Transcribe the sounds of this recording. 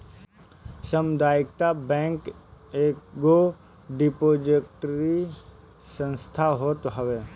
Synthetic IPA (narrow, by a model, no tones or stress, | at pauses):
səmd̪aːɪkt̪abɛ̃ːŋkeːkɡo | ɖipoːd͡ʒekʈɾi | sə̃nst̪ʰaɦoːt̪ɦəʋeː